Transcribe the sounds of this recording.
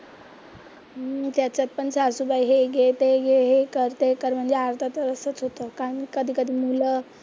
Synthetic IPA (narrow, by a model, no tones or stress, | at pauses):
t̪jat͡ɕjat̪̚pəɳt͡sasubajɦeɡet̪eɡeɦekəɾt̪ekəɾm̤əɳd͡zeaɾt̪ʰat̪əɾəsət͡sɦot̪əkaəɳkəd̪ʱiːkəd̪ʱiːmulə